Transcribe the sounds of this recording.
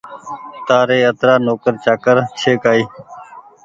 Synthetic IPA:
t̪aːɾeːət̪ɾaːnoːkəɾt͡ʃaːkəɾt͡ʃʰeːkaːiː

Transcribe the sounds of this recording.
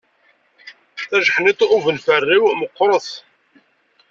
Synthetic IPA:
θæʒəħnɪt̪ˤʊvənfərːiwməqːɾˤəθ

